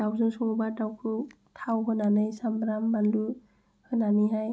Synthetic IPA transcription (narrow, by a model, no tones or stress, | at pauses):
tawzɯŋsɔŋɔbatawkʰɯ | tʰawɦɯnanɯjsambɾambandu | hɯnaniɦaj